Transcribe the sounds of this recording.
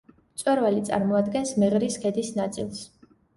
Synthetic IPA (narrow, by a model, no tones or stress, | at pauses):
t̪sʼwɛɾvalit̪sʼa̰ɾmɔad̪ɡɛnsmɛʁɾiskʰɛd̪isnat̪sʼilˠs